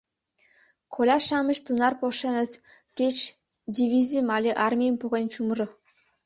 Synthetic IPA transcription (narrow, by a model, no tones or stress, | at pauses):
kʰolʲɑʃɑmə̆ɕt̪unɑrpoʃenə̆t̪ | kʲet͡ɕ | dʲivʲizʲimɑlʲeʔɑrmʲijəmpuɣenʲt͡ɕumrɤ̆